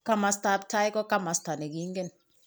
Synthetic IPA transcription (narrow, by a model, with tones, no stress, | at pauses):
ka˦ma˨sta˨˦p̚tʰa˦jkɔ˦ka˦ma˨sta˨ne˨ki˦ŋɡe˦n